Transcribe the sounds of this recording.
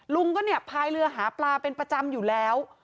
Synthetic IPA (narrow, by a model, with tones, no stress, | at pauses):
lu˧ŋkɔː˥˩ni˥˩əpʰaː˧jlɯ˧ɐɦaː˩˦plaː˧pe˧npɾa˧t͡ɕa˧mjuː˨˩lɛː˦˥w